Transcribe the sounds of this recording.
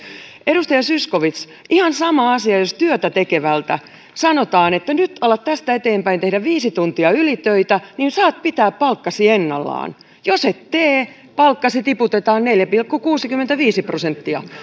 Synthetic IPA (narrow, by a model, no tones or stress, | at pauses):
edust̪ɑjɑsyskoʋit̪s | ʔihɑnsɑmɑɑsiɑjost̪yøt̪æt̪ekeʋælt̪æ | sɑnot̪ɑːnet̪ːænyt̪ɑlːɑt̪t̪æst̪æet̪eːmpæint̪ehdæʋiːsit̪unt̪iɑylit̪øit̪æninsɑːt̪̚pit̪æːppɑlkːɑsienːɑlːɑ̰ːn | joset̪t̪eː | pɑlkːɑsit̪iput̪et̪ɑːnneljæpilkːukuːsikymːent̪æʋiːsiprosent̪ːiɑ̰